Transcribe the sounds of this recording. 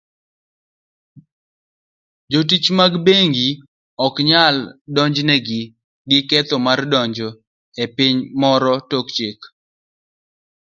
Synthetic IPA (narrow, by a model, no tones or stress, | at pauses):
d͡ʒot̬it͡ʃmaɡbeŋɡi | ɔkɲaldɔɲd͡ʒnɛɡɪ | ɡɪkɛt̪ɔmardɔɲd͡ʒo | epɪɲmɔɾɔtokt͡ʃɪk